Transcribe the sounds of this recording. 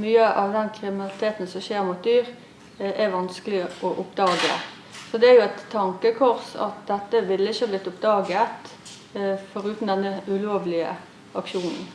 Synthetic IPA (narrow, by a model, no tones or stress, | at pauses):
myːəʔɑʋd̪ɛnkʰʁɪmɪnɑlɪt̪ʰeːt̪n̩sɔʃeːʁmuːt̪̚d̪yːʁ | ɛʋɑnskəlɪɔʔʊpd̪ɑːɡə̰ | sɔd̪ɛæjʊɛt̪ʰːɑŋkəkʰɔʁsɑ̰t̪d̪ɛt̪ːəʋɪlːəɪçːəhɑblɪt̪ːʊp̚d̪ɑːɡət̪ | fɔʁʉːt̪n̩d̪ɛnːəʉloːʋlɪə̰ | ɑkʃuːnn̩